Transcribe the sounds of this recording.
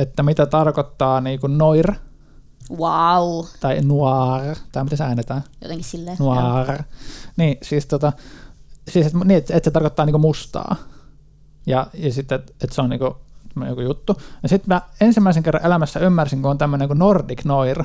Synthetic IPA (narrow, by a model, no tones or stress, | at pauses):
et̪ːæmit̪æt̪ɑrkot̪ːɑːniːkunnoir | waut̪ɑinuɑrt̪ɑimit̪æsæːnet̪æːjo̰eŋsilːnuɑrniːsiːst̪ot̪ɑ | siːset̪muniːet̪et̪set̪ɑrkot̪ːɑːniːŋkumust̪ɑ̰ː | jɑjɑsit̪ːeet̪seonḭːŋkut̪æmːønejokujut̪ːunɑsit̪mæensimːæiseŋkerːɑʔelæmæsːæymːærsiŋkuont̪æmːøneŋkunordiknoir